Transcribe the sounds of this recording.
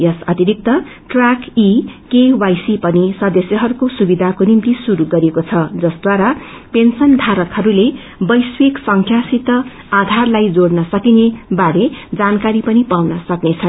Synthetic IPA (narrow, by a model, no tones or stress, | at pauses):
jʌsʌt̪iɾik̚t̪ʌʈrakikewajsipʌnisʌd̪ʌsjʌɦʌɾukosubid̪ʱakonimt̪isuɾuɡʌɾekot͡sʰʌd͡zʌsd̪waɾa | pensʌnd̪ʱaɾʌk̪hʌɾule | bʌjsweksʌŋkʰjasit̪ʌ | ad̪ʱarlajd͡zoɽnʌsʌkinebaɾed͡zankaɾipʌnipawnʌsʌknet͡sʰʌn